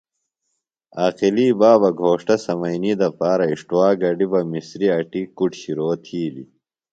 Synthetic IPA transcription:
aːqiliːbaːbɐɡʱoːʂʈɐsɐmɐjniːd̪ɐpaːɾɐiʂʈuwaːɡɐɖibɐmisɾiɐʈikuʈɕiɾoːt̪ʰiːlḭ

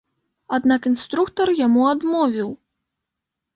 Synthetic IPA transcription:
ad̪nakinst̪ɾukt̪ɐrjamuad̪mɔvʲiw

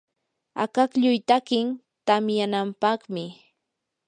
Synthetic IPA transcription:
a̰kakʎʊjt̪akɪn | t̪amjanampɑχmɪ

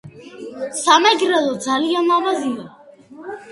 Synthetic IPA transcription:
samɛɡɾɛlɔd̪zalianavazia

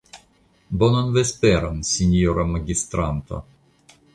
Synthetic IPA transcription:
bononvespeɾansinʲoɾamaɡʲist̪ɾant̪a̰

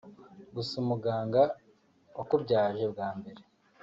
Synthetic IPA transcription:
ɡusumuɡaːŋɡa | wakubɟaːʒe̞bɡaːmbe̞ɾe̞

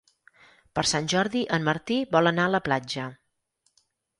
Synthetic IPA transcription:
pəɾsanʲʒɔɾðiʔənməɾt̪iβɔlənaələplad͡ʒə

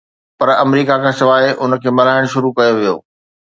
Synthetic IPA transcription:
pɐɾɐmɾiːkakʰãsɪʋaːeʔʊnə̆kʰeːmɐlaːɪɽ̃ʃʊɾukɐjoʋijo̰ː

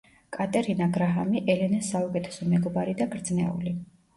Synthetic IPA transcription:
kʼat̪ʼɛɾinaɡɾaɦamiʔɛlɛnɛsaukʼɛt̪ʰɛ̥sɔmɛɡɔbaɾid̪aɡɾd̪znɛ̰ṵli

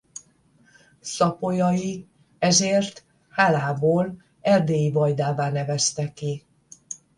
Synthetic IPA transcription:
sɒpo̞jɒji | ɛzeːrt̪ | haːlaːboːl | ɛrd̪eːjivɒjd̪aːvaːnɛvɛst̪ɛkːi

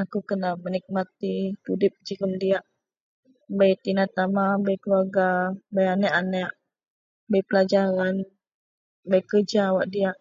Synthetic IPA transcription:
akukənamənik̚mat̪it̪udɪp̚d͡ʒikəmdiaʔ | bajt̪inat̪amabajkəluaɡabajanɛʔanɛʔ | bajpəlad͡ʒaɾan | bajkərd͡ʒawaʔdiaʔ

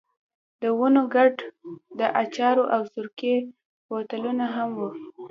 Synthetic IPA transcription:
d̪əwunoɡaɖd̪əʔat͡ʃɑɾoʔawzʊɾke | wot̪alunaɦamwu

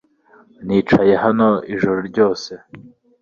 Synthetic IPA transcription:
niːt͡ʃaje̞hano̞iʒuɾoɾɟo̞ːse̞

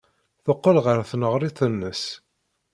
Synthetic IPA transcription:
θoqːəlʁəɾθnəʁɾˤit̪ˤənːəs

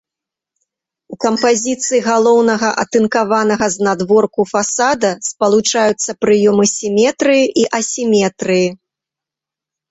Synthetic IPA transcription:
ukɐmpazʲit̪sɨjiɣalˠɔwnɐɣɐʔɐt̪ɨnkavanɐɣɐznad̪vɔrkufasad̪ɐspɐlˠut͡ʂajut̪sːɐpɾɨjɔmɨsʲimʲɛt̪ɾɨjiʔiʔɐsʲimʲɛt̪ɾɨji

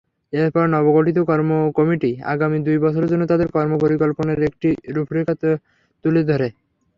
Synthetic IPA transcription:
epɔɾnɔboɡoʈit̪̬okɔɾmokɔmiʈia̰ɡamid̪ujbɔt͡ɕʰoɾd͡ʑonːot̪ad̪eɾkɔɾmopoɾikɔlponeɾek̚ʈiɾupʰɾikat̪o | t̪uled̪ʱɔɾe

